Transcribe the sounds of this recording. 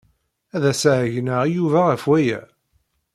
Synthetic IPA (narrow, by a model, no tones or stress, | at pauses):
æðæsʕʝnəʁjuvæʁəfwæjæ